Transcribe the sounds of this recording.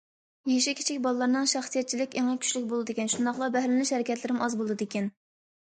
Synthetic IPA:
jeʃ̬ikʲʰi̥t͡ʃʰikʲbɑlˠːɑɾnɨŋʃɑχsijɛt̪̚t͡ʃʰilɪkʲeŋɛkʲʰy̥ʃlyk̚ʲbolˠɨd̪ɪkʲɛnʃund̪ɑχlˠɑbɛɦlɪlyʃhɛɾɪkʲɛt̪lɪɾɪmɑzbolˠd̪ɨd̪ɪkʲɛn

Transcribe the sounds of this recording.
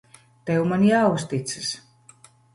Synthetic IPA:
t̪ɛwmanjawust̪it̪sɨ̥s

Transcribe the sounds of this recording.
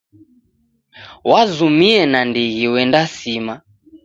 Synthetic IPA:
wazumiɛnandiɣiwɛndasima

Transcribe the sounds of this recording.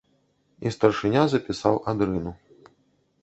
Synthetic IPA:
ist̪ɐrʂɨnʲazɐpʲisawʔad̪ɾɨnu

